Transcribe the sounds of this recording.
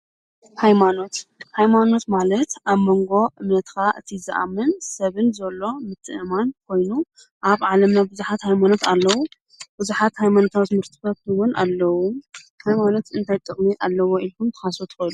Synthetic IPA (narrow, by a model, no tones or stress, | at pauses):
hajmano̞t̪hajmano̞t̪malɐt̪ʔaβmoŋɡo̞ʔɨmnɐt̪kʰaʔɨt̪ʰizɨ̰ʔa̰mːɨnsɐβɨnzɐlːo̞mɨt̪ʰːɨʔɨmank̚ʰo̞jnu | ʔaβʕalɐmnabɨzuħat̪hajmano̞t̪alːɐwu | b̥ɨzuħat̪hajmanot̪ʰawt̪mɨɾt̪ʰɨbɐt̪ɨwʊnʔa̰lːɐwu | hajmano̞t̪ɨnt̪ʰajt̪ʼɨχʼmiʔalːɐwoilkʰumt̪ʰɨ̥xasot̪ʰɨ̥xojlu